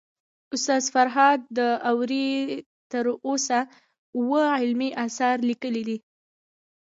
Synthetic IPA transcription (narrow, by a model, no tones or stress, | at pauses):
ʊst̪ɑzfaɾɦɑd̪̚ːəawɾi | t̪əɾosa | uwəɪlmiʔasɑɾlikəlid̪i